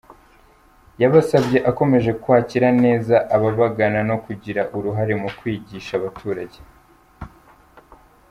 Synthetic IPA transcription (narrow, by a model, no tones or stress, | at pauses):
jaβasabje̞ʔako̞me̞ʒe̞kwaːciɾane̞ːzaʔaβaβaɡanano̞kuɟiɾaʔuɾuɦaɾe̞mukwiːɟiʃaβatʰuːɾaɟe̥